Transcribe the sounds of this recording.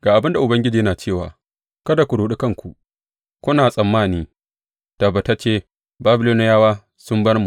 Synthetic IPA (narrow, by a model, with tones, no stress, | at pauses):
ɡ̥aː˨ʔa˨bɪ˦nda˨ʔʊ˨bɐ˦ŋɡʲɪ˦d͡ʒiː˨˦jɐ˦naː˨t͡ʃeː˦˨waː˨ | kɐ˦da˨kʷu˨ɽuː˦ɗi˦kɐ˦ŋkʷu˨ʔ | kʷʊ˦naː˨sʼɐ˨mːaː˦˨niː˦ | ta˨ba˨ta˦t͡ʃeː˦˨ | baː˦bɪ˨loː˦n˦jaː˦waː˦ | sʊ˦mbɐ˦rmu˨